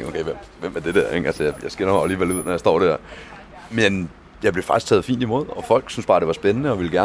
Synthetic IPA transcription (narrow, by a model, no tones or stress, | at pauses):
ŋokʰeɪʋem̰ | ʋem̰æɐd̥e̝d̥æɐ̰eɡ̥ælsəjɑjɑ̈ɪsɡ̥e̝ɐɾɑʊliːʋæluð̰ˠnɒjɑsd̥ɒ̰ːd̥æɐ̰ | men | jɑɪb̥le̝fɑ̈ɡ̥ist͡sʰɛ̰ːð̞̩ˠfḭːnd̥imo̝ð̞̰ˠɒ̽fɒ̽l̰ɡ̥synsb̥ɑ̈ːɾ̥e̝ʋɑ̈sb̥enənəɒ̽ʋe̝ləɡæɐ